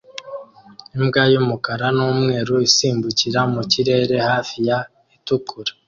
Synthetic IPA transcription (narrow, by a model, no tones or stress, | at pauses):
imɡajumukaɾanuːmŋe̞ːɾuisiːmbuciɾamuciɾe̞ːɾe̞haːfija | itukuɾḁ